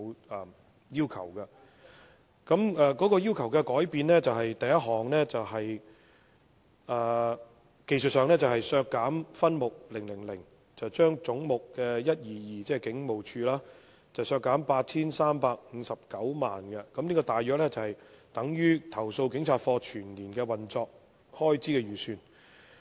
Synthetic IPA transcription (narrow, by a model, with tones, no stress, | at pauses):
jiː˥wkʰɐ̰˨˩wkɐ˧ | kɐ˨˥mɛː˧kɔː˨˥kɔː˧jiː˥wkʰɐ˨˩wkɛ˧kɔː˨˥jpiː˨nlɛː˥t͡sɐ˨wɦɐ˨jt̪ɐ˨˧jɐ˥t̚ɦɔː˨˩ŋlɛː˥t͡sɐ˨wɦɐ˨j | aː˨ | ke˨jsɵ˨t̚sœː˨˧ŋlɛ˥t͡sɐ˨whɐ˨jsœː˧kːaː˨˥mfɐ˥nmʊ˨k̚lɪ˨˩ŋlɪ˨˩ŋlɪ˨˩ŋ | t͡sɐ˨˩wt͡ʃœː˥ŋt͡sʊ˨˥ŋmʊ˨kːɛː˧jɐ˥t̚jiː˨jiː˨t͡sɛː˥˩kɪ˨˥ŋmo˨wt͡ʃʰyː˧laː˥ | t͡sɐ˨wsœː˧kːaː˨˥mpaː˧t̚t͡sʰiː˥nsaː˥mpaː˧k̚ŋ̩˨˧sɐ˨p̚kɐ˨˥wmaː˨nkɛ˧kɐ˨˧mniː˥kɔː˧t̪aː˨jœː˨˥k̚lɛ˥t͡sɐ˨˩whɐ˨jt̪ɐ˨˥ŋjyː˥t̪ʰɐ˨˩wso˧wkɪ˨˥ŋt͡sʰaː˧t̚fɔː˧t͡ʃʰyː˨˩nliː˨˩nkɛː˧wɐ˨nt͡sɔː˨˧k̚ | hɔː˥jt͡siː˨˥kɛː˧ɥyː˨˩syː˧n